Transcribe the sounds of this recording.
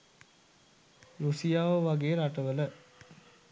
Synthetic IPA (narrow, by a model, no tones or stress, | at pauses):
rusijaːʋəʋaɡeːɾaʈəʋələ